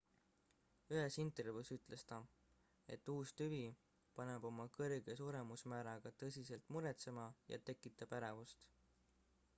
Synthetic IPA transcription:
yɦe̞sint̪ˑervuːsyt̪ˑle̞st̪ɑ | e̞̰t̪ːuːst̪yvi | pɑne̞b̥o̞mɑkɤrɡ̥e̞suːɾe̞musmæːɾɑɡ̥ɑt̪ɤ̞sʲise̞lt̪ˑmuɾet̪se̞mɑjɑ̰t̪e̞kːˑit̪ːˑɑb̥æɾevust̪

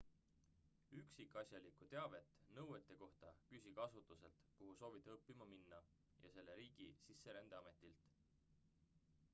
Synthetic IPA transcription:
yksikːˑɑsʲjɑlikut̪e̞ɑve̞t̪ˑːnɤwet̪ːˑe̞ko̞ht̪ɑkysʲiɡ̥ɑsut̪ˑuse̞lt̪kuɦuso̞ːvid̪̥ɤpːimɑminːɑ | jɑ̰se̞lːe̞ɾiːɡ̥isisːe̞ɾɑnd̪̥eɑme̞t̪ːilt̪

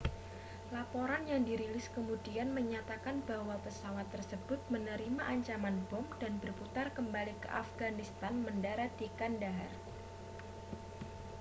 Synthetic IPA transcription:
lapoɾanjaŋdiɾilɪskəmudianməɲat̪akanbawapəsawat̪ːərsəb̥ʊt̪̚mənəɾimaʔaɲt͡ʃamanbɔmd̥anbərput̪arkəmbalikə̰ʔa̰fɡanist̪anməndaɾadikandar

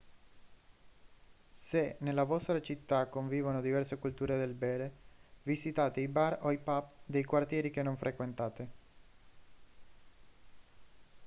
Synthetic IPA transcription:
senelavɔst̪ɾat͡ʃit̪ːakːoɱviːvonod̪ivɛrsekult̪uːɾed̪elbɛːɾevisit̪aːt̪eibaroipapd̪ejkwart̪jɛːɾik̟enːoɱfɾʔekwent̪aːt̪e

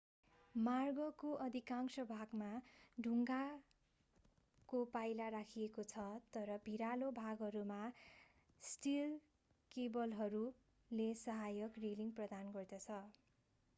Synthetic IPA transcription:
marɡʌkoʔʌd̪ʱikaŋksʌbʱaɡmaɖʱuŋɡa | kopajlarakʰijekot͡sʰʌt̪ʌɾʌbʱiɾalobʱaɡɦʌɾuma | sʈil | kebʌlɦʌɾu | lesʌɦajʌkriliŋɡprʌd̪anɡʌrd̪ʌt͡sʰʌ

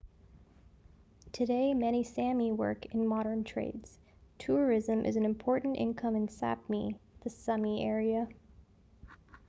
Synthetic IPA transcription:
tʰɨdeɪmɛɾ̃isæ̃miwɜ̰˞kɨ̃nmɑɾə̃˞ntʰɹ̥ḛɪdz̥ | tʰʊɹɪzɨ̃mʔɨ̰z̃n̩ɨ̃mpʰɔɹʔn̩tɪ̰̃nkʰʌ̃mɨ̃nsæ̰p̚miðɨsʌmiʔɛɹiɨ

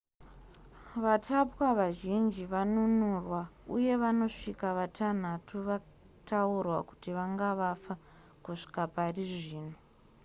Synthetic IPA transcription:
ʋatʰapwaʋaʒind͡ʒiʋanunurwauje̞ʋano̞ʂikaʋatʰan̤atʰuʋa | tʰaurwa̰ku̥tiʋaŋɡaʋafa | kuʂi̥kapariʐiːno

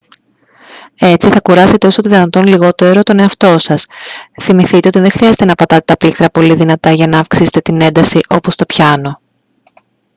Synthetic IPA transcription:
e̞t͡siθɐkuɾɐse̞t̪eo̞soot̪iðinɐt̪o̞nliɣo̞t̪e̞ɾo̞t̪o̞ne̞ɐft̪o̞sɐsθimiθit̪e̞o̞t̪iðe̞ŋxɾiɐze̞t̪e̞nɐpɐt̪ɐt̪e̞t̪ɐplikt̪ɾɐpo̞liðinɐt̪ɐʝɐnɐːfksise̞̥t̪e̞t̪ine̞nd̪ɐsiʔo̞po̞st̪o̞pçɐno̞

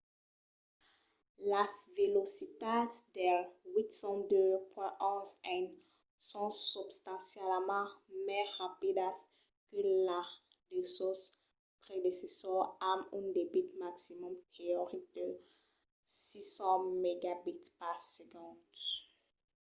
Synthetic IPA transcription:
lasvelosit̪asd̪ɛwit̪sɑ̃d̪øpwɛ̃ʔɔ̃zɛ̃n | sɔ̃sybst̪ɑ̃sjɛlmɑ̃mɛʁapid̪as | kəladesus | pχed̪esesɔʁamỹnd̪ebit̪maksimɔ̃mt̪ʰeoʁik̚d̪̥ə | sisɑ̃meɡabit̪pasəɡɑ̃d̪

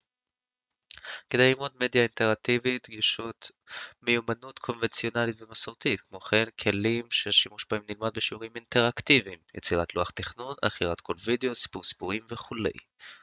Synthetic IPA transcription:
ked̪ejlimod̪me̞d̪jaint̪eʁak̚t̪ivitɡiʃut̪mejumanut̪kʰo̞nvent͡sio̞nalit̪vemasoʁt̪it̪kmo̞χenkʰe̞limʃelʃimuʃbaimnilmad̪̚beʃiuʁimint̪e̞ʁakt̪ivimjḛt͡siʁat̪luaχt̪iχnuna̰χiʁat̪kʰo̞lvid̪eosi̥puʁsi̥puʁimveχule̞̰j

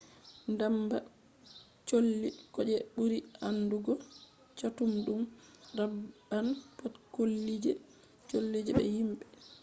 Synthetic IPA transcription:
ndamba | t͡ʃolːikɔd͡ʒɛɓuɾianduɡɔ | t͡ʃatumɗumɾaanpatkolːid͡ʒɛ | t͡ʃolːid͡ʒɛɓɛ̰himɓɛ

